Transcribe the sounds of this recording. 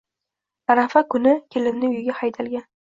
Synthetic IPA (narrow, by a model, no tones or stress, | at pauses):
aɾafakʰʊnɪkʲʰelɪmnɪʊjɡʲahajt̪ʰalɡʲan